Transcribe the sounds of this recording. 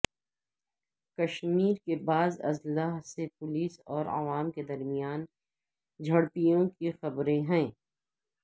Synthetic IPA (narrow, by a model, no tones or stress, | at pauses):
kɐʃmiːɾkebaːzɐ̰zlaːɦsepʊliːsɔːɾa̰ʋaːmked̪ɐɾmijaːn | d͡ʒʱɐɽpijõkixɐbɾẽɦɛ̃ː